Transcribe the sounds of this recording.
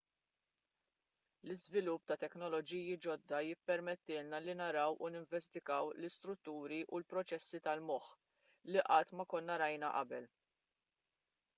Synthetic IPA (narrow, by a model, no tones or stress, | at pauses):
lɪzvɪlʊpːt̪ɐt̪ɛknɔlɔd͡ʒiːjid͡ʒɔd̪ːɐjɪpːɛɾmɛt̪ːɪːlnɐlinɐɾɐwʔunɪɱvɛst̪ɪkɐwlɪst̪ɾʊt̪ːuːɾiʔulpɾɔt͡ʃɛsːit̪ɐlmɔħ | liʔɐt̪ːmɐkɔnːɐɾɐjnɐʔɐ̰bɛl